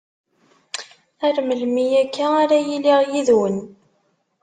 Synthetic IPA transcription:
æɾməlmijækʰːaaɾæjiliʁjiðwən

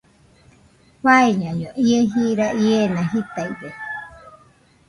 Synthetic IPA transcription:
βaeɲãɲõʔieɦiːɾaʔienãɦit̪aiɡe

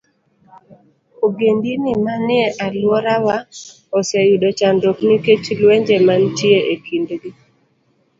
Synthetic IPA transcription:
oɡendinɪmanɪɛʔalwɔɾawa | ɔsajuɗɔt͡ʃandɔkniket͡ʃlwɛɲd͡ʒemantjeʔekindɡi

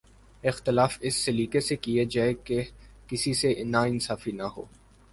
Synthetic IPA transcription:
ɪxt̪ɪlaːfɪsːeliːkesekied͡ʒaːekekɪsisenaɪnsaːfinaɦo̰ː

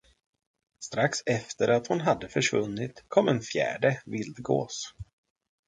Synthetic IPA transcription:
st̪ɾaksɛft̪əɾʔat̪hʊnɦad̪ːəfœʂvɵnːɪt̪kʰɔmːɛnfjæ̰ːɖəvɪld̪ɡo̰ːs

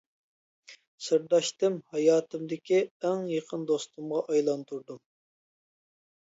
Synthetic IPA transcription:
sɨɾd̪ɑʃt̪ɨmhɑjɑːt̪ʰɨmd̪ɪkʲiɛŋjeqʰənd̪ost̪umʁɑʔɑjlˠɑnt̪ʰuɾd̪um

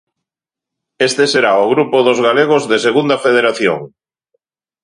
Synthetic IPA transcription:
est̪eseɾaʊɣɾupʊðʊzɣaleɣ̞ozðeseɣund̪afeð̞eɾaθjo̰ŋ

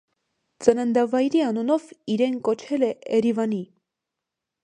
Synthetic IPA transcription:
t͡sənənd̪ɑvɑjɾiɑnunɔviɾɛnkɔt͡ʃʰɛlɛʔɛɾivɑni

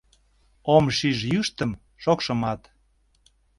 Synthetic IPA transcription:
omʃiʒjyʃt̪əm | ʃokʃə̆mɑt̪

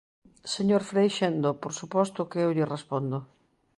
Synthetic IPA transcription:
seɲoɾfɾejʃend̪opoɾsupɔst̪ʊkeewʎɪrespond̪o

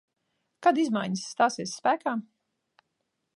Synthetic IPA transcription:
kad̪izmajɲisːt̪aːsiɛsːpæːkaːm

